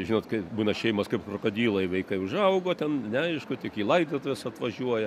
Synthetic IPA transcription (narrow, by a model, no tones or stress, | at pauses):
ʒʲiːnoːtkɐɪbuːnɐʃʲɛɪmɐskɐɪpkɾoːkod̪ʲiːlˠoɪʋʲɛɪkɐɪʊʒɐʊɡoːt̪ʲɛnnʲɛɐɪʃkʊt̪ʲɪkiːlˠɐɪd̪ʲeːt̪oʋʲɛsɐt̪ʋɐʒʲuɔjɛ